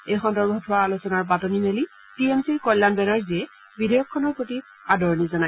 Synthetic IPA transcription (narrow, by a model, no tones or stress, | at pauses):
ejxɔndɔɹbʱɔtʰʊwaːlosɔnaɹp̬atɔnineli | tiemsiɹkɔjlːanbɛnaɹziɛ | bidɔjɔkʰːɔnɔɹpɹoti | adɔɹnizɔnaj